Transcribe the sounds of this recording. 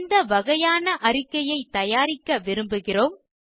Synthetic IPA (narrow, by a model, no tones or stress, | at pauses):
nd̪ɐʋɐɣɐjaːnɐʔɐrɪkːɐjɐɪt̪ːɐjaːɾɪkːɐʋɪɾɯmbɯɣɪroːm